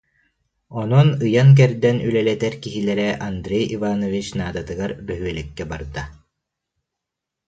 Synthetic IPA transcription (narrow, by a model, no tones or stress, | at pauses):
ɔnɔnɯjank̬ɛɾd̪ɛnylɛlɛt̪ɛɾkiɦilɛɾɛʔand̪ɾeɛjivanɔvit͡ɕnaːd̪at̪ɯɡaɾbœɦyɛlɛkːɛba̰ɾd̪a